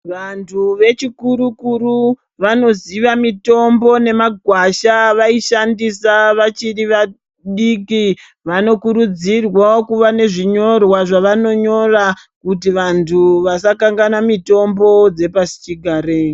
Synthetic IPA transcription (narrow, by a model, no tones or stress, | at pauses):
ʋantʰuʋe̞t͡ʃikuɾukuɾu | ʋano̞ziʋamito̞mbo̞ne̞maɡʱwaʃaʋaiʃandisaʋat͡ʃiriʋa | ɗiki | ʋano̞kuɾud͡zirwaokuʋane̞ʐiɲo̞rwaʐaʋano̞ɲo̞ra | kut̬iʋantʰuʋasakaŋɡanamito̞mbo̞d͡ze̞pasi̥t͡ʃiɡʱaːɾe